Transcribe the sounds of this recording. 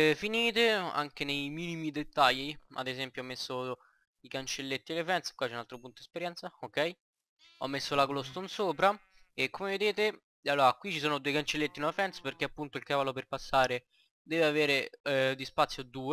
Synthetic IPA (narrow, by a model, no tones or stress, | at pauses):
finiːt̪ea̰ŋk̟enejmiːnimid̪et̪ːaʎːia̰d̪ezɛmpjoɔmːesːo | ikant͡ʃelːet̪ːielefɛnt̪skwat͡ʃːɛunalt̪ɾopunt̪od̪espeɾjɛnt̪saokːɛj | ɔ̰mːesːolaklost̪onsoːpɾaekːomeved̪eːt̪e | alːoːɾakwit͡ʃːisoːnod̪uejkant͡ʃelːet̪ːinuafɛnt̪sperk̟eapːunt̪oilkavaloperpasːaːɾe | d̪ɛːveaveːɾed̪ispat̪sːjod̪uːe